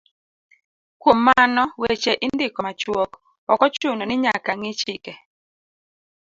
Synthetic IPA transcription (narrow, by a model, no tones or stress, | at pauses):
kwomːanɔwet͡ʃeʔɪndɪkɔmat͡ʃwok | ɔkɔt͡ʃʊnɔnɪɲakaŋɪt͡ʃɪkɛ